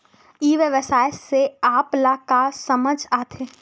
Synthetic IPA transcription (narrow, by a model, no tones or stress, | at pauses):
iːʋeʋəsaːjɪseaːplaːkasɐməd͡ʒʱaːt̪ʰeː